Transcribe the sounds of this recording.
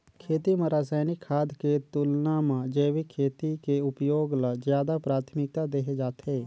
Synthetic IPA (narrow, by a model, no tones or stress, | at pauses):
kʰeːt̪iːməɾaːsaːnɪkʰːaːd̪ket̪ʊlnãːmãd͡ʒeːʋikʰeːt̪ikeʊpjoːɡlazjaːd̪apɾaːt̪ʰmɪk̚t̪aːd̪eːɦed͡ʒaːt̪ʰeː